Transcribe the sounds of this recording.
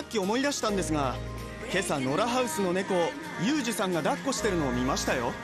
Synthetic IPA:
akʲːio̞mo̞id̪aɕi̥t̪ãnd̪e̞sɨɡa | ke̞sano̞ɾaɦaɯ̟sɨno̞ne̞ko̞ | jɯ̟ːʑɨsãŋɡad̪akːo̞ɕi̥t̪e̞ɾɯ̟no̞ːmʲimaɕi̥t̪ajo̞̰

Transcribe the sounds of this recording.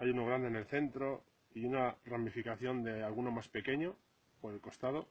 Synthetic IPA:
ajuno̞ɣ̞ɾand̪ene̞lθe̞nt̪ɾo̞ | iunaramifikaθjo̞nd̪e̞alɣuno̞maspe̞ke̞ɲo̞ | po̞ɾelko̞st̪aðo̞

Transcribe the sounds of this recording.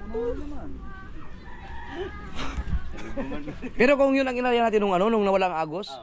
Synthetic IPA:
nɐman | pɛːɾokʊŋjonɐŋɪnaɾajanaːt̪ɪnːʊŋʔɐno̞nʊŋnɐwɐlaʔŋʔaːɡos

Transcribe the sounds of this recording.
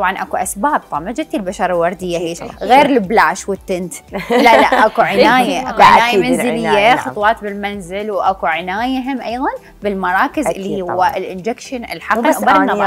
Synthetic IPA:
t̪ˤɑbʕɑnʔakuʔasbaːb̚t̪ˤɑmad͡ʒɪt̪ilbaʃɑɾˤalwɑɾˤd̪ɪjːaɦeːʃɣeːɾlɪblaːʃwɪt̪ːɪnt̪laʔlaʔʔʔakuʕɪnaːjaʔʔakuʕɪaːjamanzɪlɪjːaxɑt̪ˤwɑːt̪bɪlmanzɪlwʔakuʕɪnaːjaɦɪmʔajðˤɑn | bɪlmɑɾˤɑːkɪzʔɪlːihːhʊwːaʔɪlʔɪnd͡ʒɛkʃɪnɪ̰lħɑbanːɑ

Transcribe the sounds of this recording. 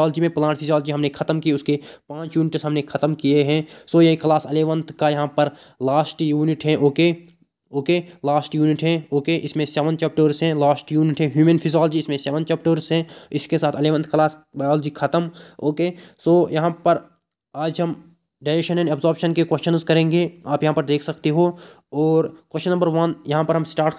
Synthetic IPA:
ɔːld͡ʒimẽplãːʈpʰɪzijaːld͡ʒiɦɐmnekʰɐt̪əmkieʊskepãːt͡ʃjuːnɪʈsɦɐmnekʰɐt̪əmkieɦɛ̃ːsoːjɐɦikɐlaːsɐleːʋə̃nt̪ʰkajɐɦãpəɾ | laːsʈjuːnɪʈɦɛ̃ʔoːkeː | oːkeːlaːsʈjuːnɪʈɦɛ̃oːkeːʔɪsmẽsɛːʋənt͡ʃɛːp̚ʈəːɾsɦɛ̃laːsʈjuːnɪʈɦɛ̃ɦjuːmənpʰɪzjaːld͡ʒiɪsmẽsɛːʋənt͡ʃɛːp̚ʈəːɾsɦɛ̃ɪskesaːt̪ʰɐleːʋə̃nt̪ʰkɐlaːsbaːjɔːld͡ʒikʰɐt̪əmoːkeːsoːjɐɦãpəɾ | aːd͡ʒɦɐm | ɖaːɪɾekʃənɛ̃ːnɐbzɔːɾpʃənkekwɛʃənzkɐɾẽːŋɡeaːpjɐɦãpɐɾd̪eːkʰsɐkt̪eɦo | ɔːɾkwəʃənːəmbəɾʋɐnjɐɦãpɐɾɦɐmsʈaːɾʈ

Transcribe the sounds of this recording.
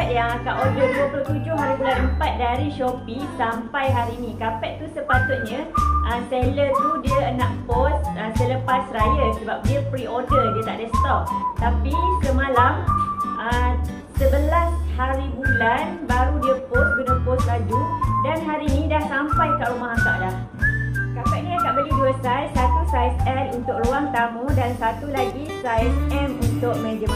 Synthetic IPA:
ɛʔ̪̚jaŋakaʔodəduəploht̪ud͡ʒʊhɦaɾibulanəmpat̪̚daɾiʃopisampajɦaɾiːnĩkapɛʔt̪usəpat̪ʊt̪̚ɲãəselət̪udiəənãʔposəsələpasrajəsəbap̚diəpɾiodədiət̪aʔdasət̪ɔp̚t̪apikəmãlamʔə | səbəlashaɾibulanbaɾudiəpʊs̚ɡunəpost̚lad͡ʒudanɦaɾiːnĩdahsampajəkaʔɾumaɦaka̰ʔdah | kapanĩakaʔbəɡiduəsasat̪usajsɛnunt̪ʊk̚ruaŋt̪amũdansat̪ulaɡisajsɛmunt̪ʊʔ̚mɛ̃d͡ʒəma

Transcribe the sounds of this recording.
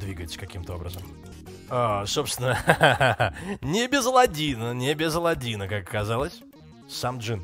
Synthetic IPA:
d̪vʲiɡəjɪt̪sə̥kɐkʲimt̪əo̞bɾəzəm | aso̞pst̪ʲɪnə | nʲɪbʲɪzəlˠɐdʲinənʲɪbʲɪzəlˠɐdʲinəkakkːɐzalˠəsʲ | samʐɨn

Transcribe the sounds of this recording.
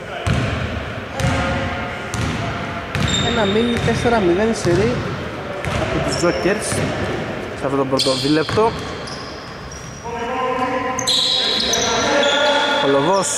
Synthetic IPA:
enɐminit̪e̞se̞ɾɐmiðeliseɾi | ɐpot̪uzdoceɾs | sɐft̪o̞t̪obɾot̪oðile̞p̚t̪o̞ | koloɣos

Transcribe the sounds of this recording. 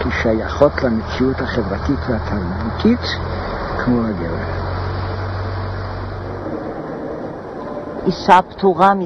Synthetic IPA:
kiʃajaχo̞t̪lamet͡siuthaχevʁatit̪veat̪ʰaʁbut̪ʰit̪ | kʰmohaɡevḛʁ | ʔisapt̪uʁam

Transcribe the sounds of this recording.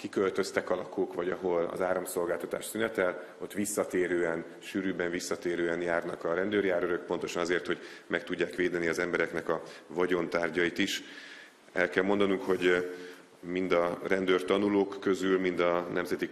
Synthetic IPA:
kikø̞lt̪ø̞st̪ɛkɒlɒkoːkvɒɟɒɦo̞lɒ̰zaːɾɒmso̞lɡaːlt̪ɒt̪a̰ːʃsynɛt̪ɛl | o̞t̪ːʋisːɒt̪eːɾøːɛn | ʃyːɾyːbɛɱvisːɒt̪eːɾøːɛnjaːrnɒkɒɾɛnd̪øːrjaːɾøɾøk̚po̞nt̪o̞ʃɒnɒzeːrt̪ho̞ɟmɛk̚t̪uɟːaːkʋeːd̪ɛniɒzɛmbɛɾɛknɛkɒvɒɟont̪aːrɟɒit̪iʃ | ɛlkɛlmo̞nd̪ɒnuŋkho̞ɟ | mind̪ɒrɛnd̪øːrt̪ɒnuloːkːø̞zylmind̪ɒnɛmzɛt̪i

